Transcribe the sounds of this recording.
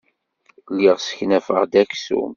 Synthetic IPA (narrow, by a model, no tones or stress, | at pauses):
lːiʁsə̥çnæfə̰ʁd̪æksṵm